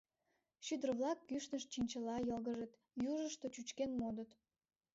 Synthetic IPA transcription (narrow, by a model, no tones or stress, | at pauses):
ʃyd̪ərβlɑkːyʃnəʃt͡ɕinʲt͡ɕəlɑjəlɣəʒə̆t̪ | juʒəʃt̪ot͡ɕut͡ɕkenmod̪ət̪